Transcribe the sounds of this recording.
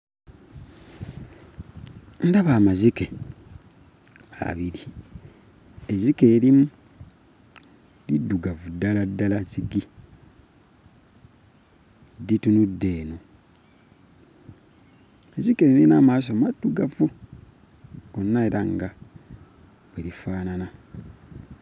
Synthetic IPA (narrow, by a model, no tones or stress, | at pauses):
ndaβamazike | a̰βiɾi | ezikeːɾimu | lidːuɡavudaladːalaziɡi | ditunudːe̞ːno | ezikeilinaːmaːs̬omadːuɡavu | ɡonːaeɾaŋɡa | βwelifaːnana